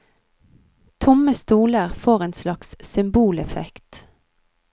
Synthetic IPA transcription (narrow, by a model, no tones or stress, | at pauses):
t̪ʰʊməst̪uːləʁfoːʁeːnslɑkssʏmbuːlɛfɛkt̪